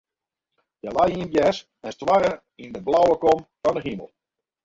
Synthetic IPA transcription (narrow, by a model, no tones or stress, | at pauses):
jɛlajiənɡjɛs | ɛnstʋaɾə | indəblawəkomfɔndəɦimə̰lˠ